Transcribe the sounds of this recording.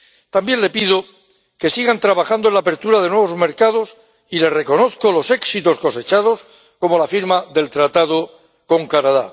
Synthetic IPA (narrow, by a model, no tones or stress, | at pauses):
t̪ambje̞nle̞pið̞o̞ | ke̞siɣant̪ɾaβaxand̪o̞nlaːpe̞ɾt̪uɾað̞e̞nwe̞β̞o̞zme̞ɾkað̞o̞s | ile̞sre̞ko̞no̞θko̞lo̞se̞ksit̪o̞sko̞se̞t͡ʃað̞o̞s | ko̞mo̞lafiɾmaðe̞lt̪ɾat̪aðo | ko̞ŋkanaða̰